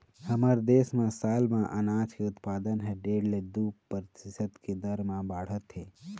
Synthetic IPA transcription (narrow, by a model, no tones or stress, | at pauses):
həməɾd̪eːsmẽsaːlmãʔənaːt͡ʃkeʊt̪paːd̪ənɦɛɖeːɽled̪uːppəɾtɪsət̪ked̪əɾmãbaːɽ̤ət̪ɦeː